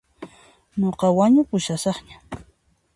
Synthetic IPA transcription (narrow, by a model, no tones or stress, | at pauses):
ɲoqɑwaɲʊpʊʃasɑχɲḁ